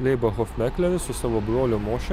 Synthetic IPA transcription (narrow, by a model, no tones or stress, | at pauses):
lʲɛɪbɐxɔfʲmʲækʲlʲɛɾʲɪsʊsɑːʋoːbɾoːlʲʊmoːʃʲɛ